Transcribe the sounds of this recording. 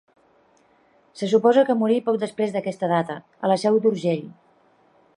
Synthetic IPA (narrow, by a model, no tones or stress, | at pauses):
səs̬upɔzəkəmuɾipɔk̚d̪əspɾezd̪əkɛst̪əð̞at̪ə | ələsɛwd̪uɾʒeʎ